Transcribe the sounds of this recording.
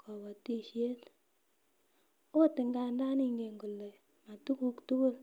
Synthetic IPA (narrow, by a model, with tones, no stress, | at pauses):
kʰɔ˨bɔ˨ti˦ʃje˦t | o˦tɪ˨ŋɡa˨nda˦ni˦ŋɡe˨ŋɡu˨lːe˨ | ma˨tu˦ku˦ktu˦ku˦l